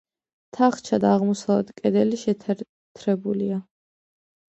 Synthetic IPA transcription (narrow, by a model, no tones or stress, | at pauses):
t̪ʰaχt͡ʃʰad̪aːʁmɔsalɛt̪kʼɛd̪ɛliʃɛt̪ʰ | t̪ʰɾɛbulia